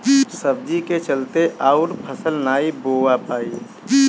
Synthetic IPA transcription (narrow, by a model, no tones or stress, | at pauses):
səb̚d͡ʒiket͡ʃəlt̪eʔaːʊɾpʰəsəlnaːiboːwapaːi